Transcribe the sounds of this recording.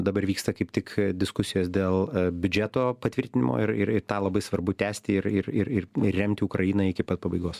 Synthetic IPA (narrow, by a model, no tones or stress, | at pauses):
d̪ɐbɐɾʋʲiːkst̪ɐkɐɪpt̪ʲɪkd̪ʲɪskʊsʲɪjoːsd̪ʲeːlˠbʲʊd͡ʒʲæːt̪oːpɐt̪ʲʋʲɪɾʲt̪ʲɪnʲɪmo̰ːɪɾɪɾɪɾt̪ɑːlˠɐbɐɪsʋɐɾbʊt̪ʲæːsʲt̪ʲɪɪɾɪɪɾɪrɪrʲɛmʲt̪ʲɪʊkɾɐjɪːnɐɪkʲɪpɐt̪pɐbɐɪɡoːs